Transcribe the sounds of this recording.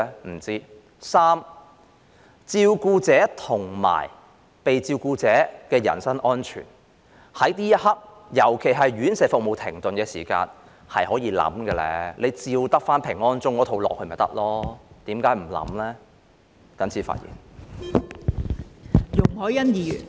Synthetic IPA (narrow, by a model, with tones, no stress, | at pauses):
m̩˨˩t͡siː˥ | saː˥m | t͡siː˧wkuː˧t͡sɛː˨˥t̪ʰʊ˨˩ŋma̰ː˨˩j | pe˨jt͡siː˧wkuː˧t͡sɛː˨˥kɛː˧jɐ̰˨˩nsɐ˥ŋʔɔː˥nt͡ʃʰy̰ː˨˩n | hɐ˨˥jt̪iː˥jɐ˥t̚hɐ˥p̚ | jɐ˨˩wkʰe˨˩jɦɐ˨jɥyː˨˥nsɛː˨˧fʊ˨k̚mo˨wt̪ʰɪ˨˩ŋt̪ɵ˨nkɛː˧siː˨˩ka̰ː˧n | hɐ˨jhɔː˨˥jiː˨˧lɐ̰˨˥mkɛː˧lɛ̰˧lʔe˨˧jt͡siː˧wt̪ɐ˥k̚faː˥npʰɪ˨˩ŋɔː˥nt͡sʊ˥ŋːɔː˨˥t̪ʰo˧wlɔ̰ː˨k̚hɵ˧mɐ˨˩jt̪ɐ̰˥k̚lɔː˥t̪iː˨˥mkaː˨˥jm̩˨˩lɐ̰˨˧˥mlɛː˥ | k̪ɐ˨˥nt͡sʰiː˨˥fa̰ː˧t̚jḭː˨˩n | jʊ˨˩ŋhɔː˨˥jɐ˥njiː˨˩˨n